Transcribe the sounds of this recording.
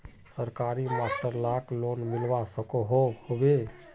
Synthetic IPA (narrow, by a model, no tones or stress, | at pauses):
səɾkaːɾimasʈəɾlaːkloːnmɪlʋasəkoɦohobe